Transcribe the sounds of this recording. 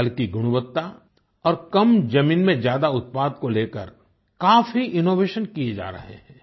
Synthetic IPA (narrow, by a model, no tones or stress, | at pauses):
ɐlkiɡʱʊɽ̃ʊʋət̪ːa | ɔːɾkɐmd͡ʒɐmĩːnmẽzjaːd̪aʊt̪̚paːd̪koleːkəɾ | kaːfiʔɪnoːʋeːʃənkijed͡ʒa̰ːɾɐ̰ɦḛɦɛ̃ː